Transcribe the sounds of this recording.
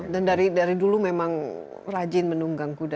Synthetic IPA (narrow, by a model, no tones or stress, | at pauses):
dandaɾidaɾidulumemaŋ | rad͡ʒɪnmənuŋɡaŋkuda